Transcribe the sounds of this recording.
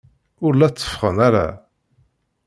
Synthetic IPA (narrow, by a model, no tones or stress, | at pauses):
ʊɾlæt͡sːə̥fχəmæɾæ̰